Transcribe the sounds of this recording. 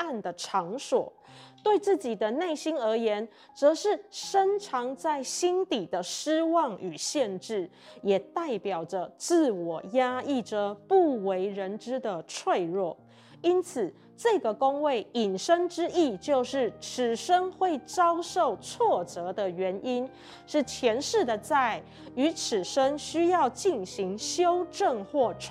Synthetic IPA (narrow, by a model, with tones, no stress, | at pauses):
a˥˩nd̪ə˩ʈ͡ʂʰɑ˧˥ŋswɔ̰˨˩˦ | t̪we˥˧ɪt͡sɹ̩˥˩t͡ɕi˨˩d̪ə˦ne˥˩ɪɕi˥nə˞˧˥jɛ˧˥n | t͡sɤ˧˥ʂɻ̩˥˩ʂə˥ŋʈ͡ʂʰɑ˧˥ŋt͡sa˥˩ɪɕi˥nt̪i˨˩d̪ə˦ʂɻ̩˥wɑ˥˩ŋy˨˩ɕjɛ˥˧nʈ͡ʂɻ̩˥˩ | jɛ˨˩t̪a˥˩ɪpjɑ˨˩ʊʈ͡ʂə˦t͡sɹ̩˥˩wɔ˨˩ja˥i˥˩ʈ͡ʂə˩pu˥˩we˧˥ɪɻə˧˥nʈ͡ʂɻ̩˥d̪ə˨t͡sʰwe˥˧ɪɻwɔ˥˩ | i˥nt͡s̩ʰ˨˩ | ʈ͡ʂɤ˥˩ɡə˩ko˥ŋwe˥˩ɪi˨˩nʂə˥ŋʈ͡ʂɻ̩˥i˥˩t͡ɕjo˥˧ʊʂɻ̩˥˩ʈ͡ʂʰɻ̩˨˩ʂə˥ŋxwe˥˩ɪt͡sɑ˥ʊʂo˥˩ʊt͡sʰwɔ˥˩t͡sɤ˧˥d̪ə˧ɥɛ˧˥ni˥n | ʂɻ̩˥˩t͡ɕʰjɛ˧˥nʂɻ̩˥˩d̪ə˩t͡sa˥˩ɪ | y˧˥ʈ͡ʂʰɻ̩˨˩ʂə˥ŋɕy˥jɑ˥˧ʊt͡ɕi˥˩nɕi˧˥ŋɕjo˥ʊʈ͡ʂə˥˧ŋxwɔ˥˧ʈ͡ʂʰ